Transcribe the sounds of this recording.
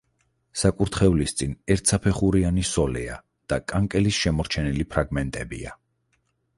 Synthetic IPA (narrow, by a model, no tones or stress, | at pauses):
sakʼuɾt̪ʰχɛvlist̪sʼinɛɾt̪ʰsʰapʰɛχuɾianisɔlɛa | d̪̥akʼaŋkʼɛlisʃɛmɔɾt͡ʃʰɛnilipʰɾaɡmɛnt̪ʼɛbḭa̰